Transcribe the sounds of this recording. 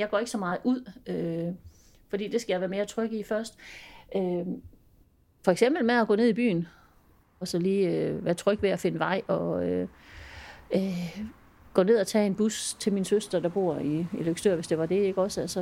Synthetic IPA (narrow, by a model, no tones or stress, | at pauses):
jɑ̈ɡ̥ɒ̰e̝ɡ̥əsɒ̽mɑ̈ːð̩ˠuð̰ˠø | fɒ̽d̥ḭːd̥e̝sɡ̥æjɑɪʋæːɐme̝ːɐt͡sʰʁœɡ̥ifɶɐsd̥ʔø | fɒ̽eɡ̥sem̰b̥l̩meðˠæɡ̥ɔ̰ːne̝ðˠib̥y̰ːn | ɒ̽sɒ̽liːøʋæːɐt͡sʰʁœɡ̥ʋe̝æfe̝nəʋɑ̈ɪ̰ɒ̽ø | ɡ̥ɔ̰ːne̝ð̞̰ˠɒt͡sʰɛ̰ːe̝nb̥ust͡sʰe̝lminsøsd̥ʁɐd̥ɑ̈b̥o̝̰ɐ̰iiløɡ̥sd̥øɐ̰ʋe̝sd̥e̝ʋɑ̈d̥e̝e̝ɡ̥ɒ̽sælsɒ